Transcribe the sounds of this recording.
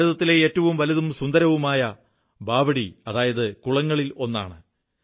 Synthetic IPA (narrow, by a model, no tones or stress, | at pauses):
ɐðɐt̪ːileeːtːɐʋumʋɐlɐðumsund̪ɐɾɐʋumaːjɐ | bʱaːbɐɽiɐðaːjɐðɨkuɭɐŋːɐɭilo̞nːa̰ːɳɨ